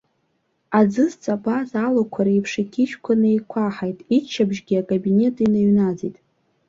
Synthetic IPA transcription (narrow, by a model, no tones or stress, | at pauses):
ad͡zɨzt͡sʼabazalokʷʰaɾaipʰʂakʲʰiʃkʷʰanɨejkʷʰaħajtʼit͡ʃʰːabʒɡʲiakʼabine̞tʼinaɥnad͡zejtʼ